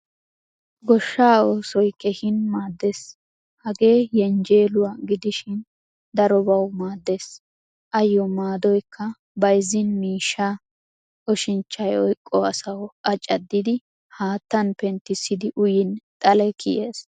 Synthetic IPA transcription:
ɡɔʃːaːoːsɔjkɛhɪnmaːd̪ːe̞ːs | hɐɡe̞ːjɛnd͡ʒe̞ːlʊwaːɡɪd̪ɪʃɪn | d̪ɐɾɔbɐwmaːd̪ːe̞ːs | ʔɐjːɔmaːd̪ɔjkʰːɐ | bɐjzːɪnmiːʃːa | ʔɔʃɪnt͡ʃːɐjɔjkʼːɔɐsɐwʔɐt͡ʃʼːɐd̪ːɪd̪ɪ | haːt̪ːɐnpɛnt̪ːɪsːɪd̪ɪʔʊjɪnt̪ʼɐlɛkʰɪjeːs

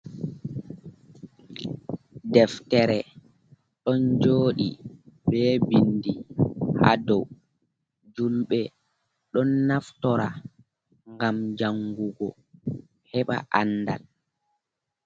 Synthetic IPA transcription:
dɛftɛɾɛ | ɗɔnd͡ʒoːɗibɛːbindiha̰dɔw | d͡ʒulɓɛ | ɗɔnːaftɔɾa | ŋɡamd͡ʒaŋɡuɡɔ̰ | hɛɓa̰ʔanːda̰l

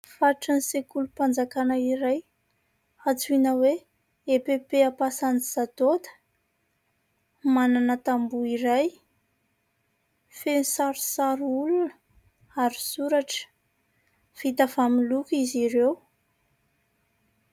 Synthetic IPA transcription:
faʈ͡ʂənisekulupand͡zakanəiɾaj | at͡suinəwe | epepeapasanizat̪ot̪ə̥ | mananət̪ambuiɾaj | fenisaɾu̥saɾuulunə | aɾi̥suɾaʈ͡ʂə̥ | fit̪afamilukiziɾew

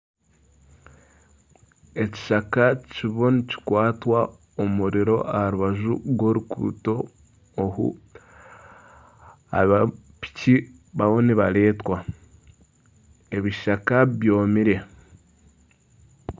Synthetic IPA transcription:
e̞ci̥ʃakaciβo̞nici̥kwaːtwa | omuɾiɾo̞ʔahaɾuβaʒṵɡwo̞ɾukṵːto̞ː | ɦṵ | a̰βa | pi̥ci | βaβoniβale̞ːtwa | e̞βiʃakaβjo̞ːmiɾe̞

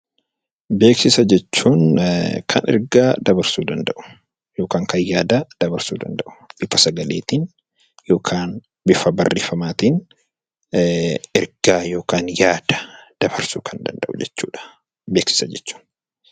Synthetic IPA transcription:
be̞ːksɪsɐd͡ʒɛt͡ʃːuːnkʰɐnɛ̰ɾɡaːd̪ɐbɐɾsuːd̪ɐnd̪ɐʔʊ̥ | jo̞ːkaːŋkɐjjːaːd̪ad̪̥ɐbɐɾsuːd̪ɐ̰nd̪ɐʔʊ̥bɪfɐsɐɡɐlḛːt̪iːn | jo̞ːkʰaːn | bɪfɐbɐrːḛːfɐmaːt̪in | ɛɾɡ̥aːjo̞ːkaːnjaːd̪̥ɐ̥d̪̥ɐbɐɾsuːkʰɐnd̪ɐ̰nd̪ɐ̰ʔʊd͡ʒɛt͡ʃːuːᶑɐ̥ | beːksɪ̥sɐd͡ʒɛt͡ʃːu̥ːn

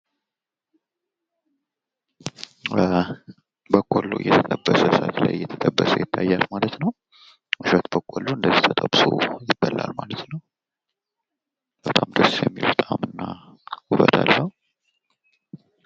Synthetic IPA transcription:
ə | bəkʼːolːujɛt̪ʰət̪ʼəbːəsəsat̪la̰jːɛt̪ʰət̪ʼəbːəsəjɪt̪ʰːajːalmalət̪nəw | mɨʃət̪bəkʼːolːuɨnd̪əzːiht̪ʰət̪ʼəbsojɪbːəlːa̰lmalət̪nəw | b̥ət̪ʼamd̪əsjɛmːilbət̪ʼamɨnːahuβət̪alːəh

